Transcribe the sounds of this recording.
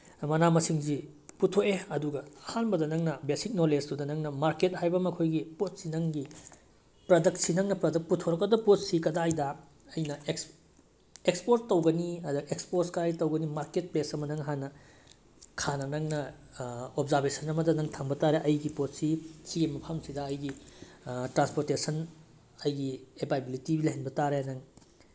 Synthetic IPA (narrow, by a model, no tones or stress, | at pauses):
mɐnamɐsiŋziputʰoʔeɐduɡɐhanbɐdɐnɐŋnɐbesik̚noled͡ʒdudɐnɐŋnɐmaɾket̚hajbɐmɐkʰojɡipot̚sinɐŋɡi | pɾɐdɐk̚sinɐŋnɐpɾɐdɐk̚putʰoɾɐkːɐdɐpot̚sikɐdajdɐ | ɐjnɐek | ekspoɾtːɐwɡɐniɐdɐekspoɾskɐdajtɐwɡɐnimaɾket̚plesɐmɐnɐŋɦanɐ | kʰanɐnɐŋnɐ | obzaɾbesʰɐnɐmɐdɐnɐŋtʰaŋbɐtaɾeʔɐjɡipot̚sisiɡimɐpʰɐmsidɐːjɡi | tɾanspoɾtesɐn | ɐjɡiepajbilitibilɐɦenbɐtaɾeanɐŋ